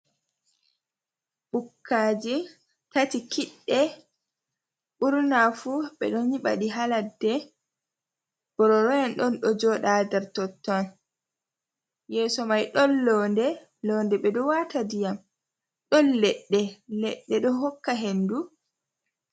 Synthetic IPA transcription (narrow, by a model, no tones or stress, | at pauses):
ɓukːaːd͡ʒi | tatikiɗːɛ | ɓuɾnafuɓɛ̰ɗɔnɲiɓa̰ɗiɦaladːɛ | b̥ɔɾɔɾɔjanɗɔnɗɔd͡ʒɔɗadɛɾtɔtːɔn | jɛːsɔmajɗɔnlɔːndɛ | lɔːndɛɓɛɗɔwatadijam | ɗɔnlɛɗːɛlɛɗːɛɗɔɦɔkːaɦendu